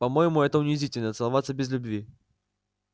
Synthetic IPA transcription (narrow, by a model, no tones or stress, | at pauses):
pɐmojɪmʊɛt̪əʊnʲɪzʲitʲɪlʲnət̪sɨlˠɐvat̪sːəbʲɪzlʲʊbvʲi